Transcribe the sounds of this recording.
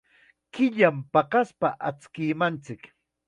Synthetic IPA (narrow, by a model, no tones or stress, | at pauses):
kɪʎampɑɢɑspaʔat͡skɪːmant͡sɪk